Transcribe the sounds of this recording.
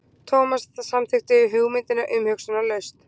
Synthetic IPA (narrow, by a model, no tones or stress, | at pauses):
t̪ʰoːwmasθɛθasamθɪxt̪ɪːɦʏɣmɪnt̪ɪnaʔʏmhʏksʏnalœɥst̪